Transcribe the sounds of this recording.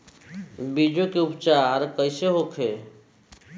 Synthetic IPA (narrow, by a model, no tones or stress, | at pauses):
bid͡ʒokeupt͡ʃaɾkəɪseɦokʰe